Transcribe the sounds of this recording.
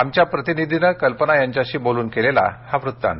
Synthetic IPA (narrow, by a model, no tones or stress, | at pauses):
amt͡ɕjapɾət̪inid̪ʱinəkəlpənajaɲt͡ɕjaɕiːboluːnkelela̰haʋɾut̪ːa̰n